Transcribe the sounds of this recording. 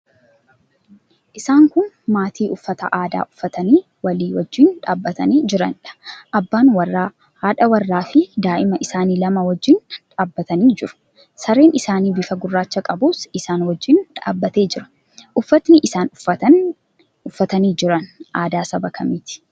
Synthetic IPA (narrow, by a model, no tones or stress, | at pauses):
ʔɪsaːŋkʊn | maːt̪ʰiːʔʊfːɐt̪ɐ̰ʔaːd̪a̰ːʔʊfːɐt̪ɐniː | wɐliːwɔd͡ʒːɪnᶑa̰ːbːɐt̪ɐniːd͡ʒɪɾɐnᶑɐ̥ʔɐbːaːnwɐrːaː | haːᶑɐwɐrːaːfɪd̪aːʔɪmɐʔɪsaːniːlɐmɐwɔd͡ʒːɪnᶑaːbːɐt̪ɐniːd͡ʒɪɾʊ̥ | sɐɾeːnɪsaːniːbɪfɐɡʊrːaːt͡ʃːɐkʼɐbuːsɪsaːnwɔd͡ʒːɪnᶑa̰ːbːɐt̪e̞ːd͡ʒɪɾɐ̥ | ʔʊfːɐt̪nɪʔɪsaːnɐɐ | ʊfːɐt̪ɐniːd͡ʒɪɾɐnʔaːd̪aːsɐbɐkʰɐmiːt̪ɪ̥